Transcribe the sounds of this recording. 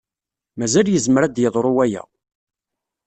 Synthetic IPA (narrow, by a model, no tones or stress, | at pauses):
mæzæljəzməɾæd̪jəðˤɾˤʊwæjæ̰